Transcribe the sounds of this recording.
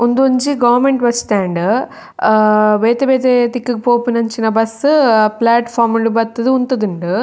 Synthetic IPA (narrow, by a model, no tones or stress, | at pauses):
ʊnd̪uɲd͡ʒiɡɐʋɐɾmeɳʈʋɐt͡ʃːt̪aːɳɖɯ | ʋeːt̪eʋeːt̪̬et̪ikːɯkːpoːpːinɐɲt͡ʃinɐbɐsɯplaːʈfaːɾmuɳɖɯbɐt̪ːɐd̪ɯʊnt̪ɐd̪ɯɳɖɯ